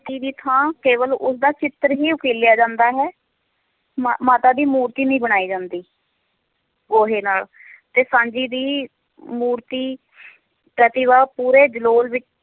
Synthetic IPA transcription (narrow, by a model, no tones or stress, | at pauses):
t̪iːd̪iːt̪ʰãːkeːʋəlʊsd̪aːt͡ʃɪt̪ɾɦiːʊkeːljaːd͡ʒãːnd̪aːɦɛː | mmaːt̪aːd̪iːmuːɾt̪iːnĩːbəɽ̃aːiːd͡ʒãːnd̪iː | ɡoːɦeːnaːl | t̪eːsãːd͡ʒiːd̪iː | muːɾt̪iː | pɾət̪ɪʋaːpuːɾeːd͡ʒəloːlʋɪt͡ʃ